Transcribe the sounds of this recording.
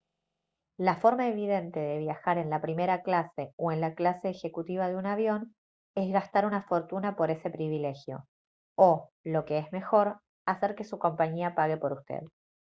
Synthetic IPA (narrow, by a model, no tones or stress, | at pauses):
lafo̞ɾmaeβ̞ið̞e̞nt̪e̞ðe̞β̞jaxaɾe̞nlapɾime̞ɾaklase̞oe̞nlaklase̞ːxe̞kut̪iβ̞aðeunaβjo̞n | e̞zɣast̪aɾunafo̞ɾt̪unapo̞ɾe̞se̞pɾiβ̞ile̞xjo̞ | o | lo̞ke̞ezme̞xo̞ɾ | ase̞ɾke̞suko̞mpaɲiapaɣe̞po̞ɾust̪ḛð